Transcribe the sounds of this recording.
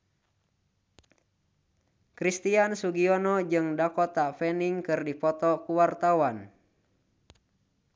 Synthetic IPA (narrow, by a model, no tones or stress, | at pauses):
kɾist̪iansuɡiɔnɔd͡ʒɨŋdakɔt̪afɛniŋkɨrdipɔt̪ɔkuwart̪awan